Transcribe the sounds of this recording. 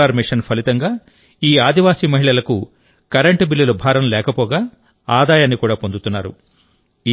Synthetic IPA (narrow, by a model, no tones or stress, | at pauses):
aːɾmiʂɐnpʰɐlit̪ɐŋɡaː | iːaːd̪ʱiʋaːsiːmɐɦiɭɐlɐku | kɐɾeɳʈbilːulɐbʱaːɾɐmlɛːkɐpɔːɡaː | aːd̪aːjaːnːikuːɽaːpond̪ut̪unːaːɾṵ | i